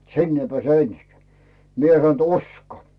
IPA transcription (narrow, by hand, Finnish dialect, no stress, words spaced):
sinː ei peæˑse ensikĕæˑ mie sɑn t usko